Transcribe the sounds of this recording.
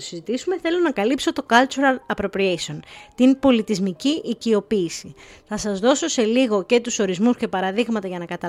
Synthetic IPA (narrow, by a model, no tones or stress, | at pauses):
osizit̪isume̞θe̞lo̞nɐkɐlipso̞t̪o̞kɐlt͡ʃuɾɐlɐpɾo̞pɾiesio̞nt̪inpo̞lit̪izmiciʔicio̞piːsiθɐsɐzðo̞so̞se̞liɣo̞ce̞t̪uso̞ɾizmusce̞pɐɾɐðiɣmɐt̪ɐʝɐnɐkɐt̪ɐ